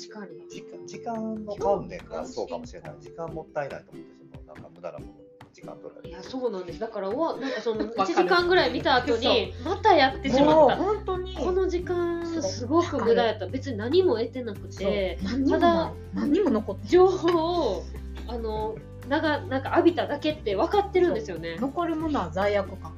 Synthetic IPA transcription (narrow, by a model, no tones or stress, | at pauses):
ɕi̥kaɲid͡ʑikãoanːḛ̃kasoːka̰mo̞ɕiɾena̰id͡ʑikãmːo̞t̪ːaena̰it̪omõnd̪esononã̰ŋkkamɯd̪a̰ɾa̰mo | d͡ʑikã̰nt̪oɾa̰jaso̞ːnãnd̪e̞sɨd̪akaɾaoβanãŋkaso̞noit͡ɕiʑikãŋɡɯ̟ɾaimʲit̪aːt̪o̞ɲ̟imat̪ajat̪ːe̞ɕimat̪ːaõnt̪oɲiko̞no̞ʑikãɰassɨɡo̞kɯ̟ɡɯ̟d̪ajat̪ːabe̞t͡sɨɲ̟inaɲ̟imo̞e̞t̪e̞nakɯ̟̥t̪e̞aɲad̪a | naɲimonokot̪ːd͡ʑoːo | ano̞ | naɡanãŋkaːbʲit̪ad̪ake̞t̪ːe̞β̞akat̪ːe̞ɾɯ̟nd̪e̞sɨjo̞ne̞noko̞ɾɯ̟mooazaiakɯka